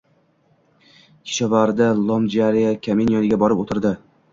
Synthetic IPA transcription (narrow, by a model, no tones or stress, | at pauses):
kʲʰɪ̥ʃɒvaɾd̪alˠɒmd͡ʒaɾijakʲʰamenjɒnɪɡʲabɒɾɪpot̪ʰɪɾd̪ɪ